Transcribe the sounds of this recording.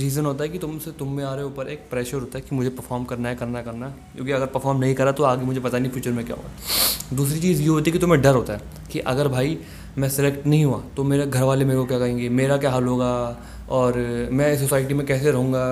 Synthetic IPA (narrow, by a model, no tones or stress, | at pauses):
ɾiːzənɦoːt̪aɦɛkit̪ʊmset̪ʊmːẽaːɾeuːpəɾeːk̚pɾɛːʃəɾɦoːt̪aɦɛkimʊd͡ʒʱepɐɾfʰɔːɾmkɐɾnaɦɛkɐɾnaɦɛkɐɾnaɦɛ | jõːkiɐɡəɾpɐɾfʰɔːɾmnɐɦĩkɐɾat̪oaːɡemʊd͡ʒʱepɐt̪anifjuːt͡ʃəɾmẽkja̰ɦo̰ɡad̪uːsɾit͡ʃiːzjeɦoːt̪iɦɛkit̪ʊmẽɖɐɾɦoːt̪aɦɛː | kiʔɐɡəɾbʱaːi | mɛ̃sɪlekʈnɐɦĩɦuaːt̪omeːɾeɡʱɐɾʋaːlemeːɾekokjakɐɦẽːŋɡemeːɾakjaːɦalɦoːɡaː | ɔːɾmɛ̃s̬osaːɪʈimẽkɛːs̬eɾɐɦũːɡaː